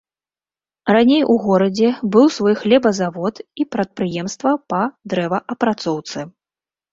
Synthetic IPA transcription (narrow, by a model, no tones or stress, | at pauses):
ranʲejʔuɣɔɾɐd͡zʲɛbɨwsvɔjxlʲɛbɐzavɔt̪ipɾɐt̪̚pɾɨjɛmst̪vɐpɐd̪ɾɛvɐʔɐpɾat̪sɔwt̪sɨ